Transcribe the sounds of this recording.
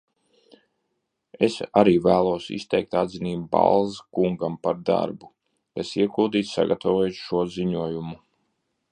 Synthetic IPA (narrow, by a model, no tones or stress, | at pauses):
esaɾiːvæːlˠuɔsḭst̪ɛjk̚t̪ad̪ziniːbba̰lˠzkuŋɡampaɾd̪a̰ɾbu | kasiɛɡulˠd̪iːt̪ssa̰ɡat̪ʰavoɔj̪ʃuɔziɲuɔjumu